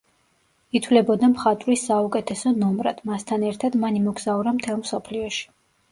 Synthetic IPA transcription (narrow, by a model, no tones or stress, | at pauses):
it̪ʰwvlɛbɔd̪amχat̪ʼɾisaukʼɛt̪ʰɛsɔnɔmɾa̰d̪̥mast̪ʰanɛɾt̪ʰad̪manimɔɡz̥auɾamt̪ʰɛlˠmsɔpʰliɔʃi̥